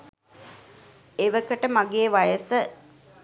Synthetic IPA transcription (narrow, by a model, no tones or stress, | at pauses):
eʋəkəʈəmaɡeːʋajəsə